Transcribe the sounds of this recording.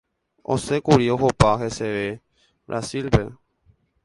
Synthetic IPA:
o̞̰se̞kuɾio̞ɦopaɦe̞se̞ʋe̞ | bɾʔa̰silpe̞̰

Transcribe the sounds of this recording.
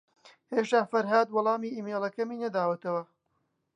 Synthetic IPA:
heːʃt̪aːfɐɾɦaːd̪wɔlˠɑːmiːʔiːmeːlɐkɐmiːnɐd̪aːwɐt̪ɐwɐ

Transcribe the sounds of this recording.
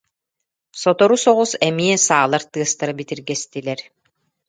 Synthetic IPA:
sɔt̪ɔɾusɔʁusɛmiɛsaːlˠaɾt̪ɯɐst̪aɾabit̪iɾɡɛst̪ilɛɾ

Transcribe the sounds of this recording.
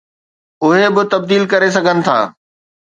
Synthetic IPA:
ʊɦebɪt̪ɐb̚d̪iːlkɐɾesɐɡʱənɪ̆t̪ʰa̰ː

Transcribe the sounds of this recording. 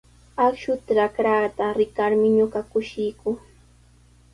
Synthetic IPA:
akʃʊt̪ɾakɾaːt̪aɾɪkaɾmɪɲʊɢɑkʊʃɪjkʊ

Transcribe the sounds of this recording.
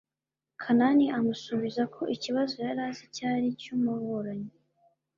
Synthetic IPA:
kʰananiʔamusuβizakʰo̞ʔiciβazojaɾaːzicaːɾicumuβoɾaɲi

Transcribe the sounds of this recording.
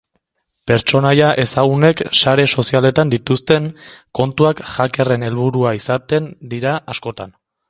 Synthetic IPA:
pe̞ɾt͡ʃo̞najaʔe̞saɣ̞une̞ksaɾe̞so̞siale̞t̪and̪it̪ust̪e̞ŋko̞nt̪uakʝake̞re̞ne̞lβuɾuaisat̪e̞nd̪iɾaʔasko̞t̪a̰n

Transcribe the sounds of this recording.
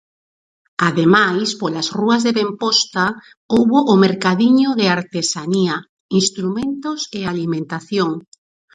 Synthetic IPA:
aðemajspolasruazðeβempɔst̪a | owβoʔːmeɾkaðiɲʊðeaɾt̪esania | inst̪ɾumẽnt̪osealimẽnt̪aθjoŋ

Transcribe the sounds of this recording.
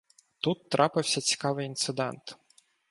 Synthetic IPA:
t̪ut̪ːɾʔɑpɪwsʲɐt͡sʲi̥kɑʋɪjint̪sɪd̪ɛ̰nt̪

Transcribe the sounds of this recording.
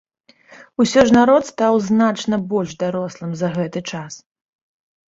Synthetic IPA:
usʲɔʐnaɾɔt̪st̪awznat͡ʂnɐbɔlʲʐd̪aɾɔslˠɨmzɐɣɛt̪ɨt͡ʂas

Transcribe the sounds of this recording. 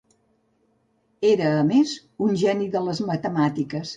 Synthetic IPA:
eɾəːmez | unʲʒɛniðələzmət̪əmat̪ikəs

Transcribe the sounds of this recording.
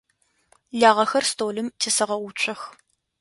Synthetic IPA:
ɮaːʁɐxɐrstʰoːlɨmtʰeːsɐʁɐʊt͡ʃʷʰʼɐx

